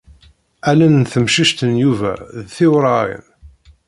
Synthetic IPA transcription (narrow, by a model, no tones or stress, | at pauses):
ælænnθəmʃiʃt̪ənjuvæ̰ðθɪwɾˤɑḭn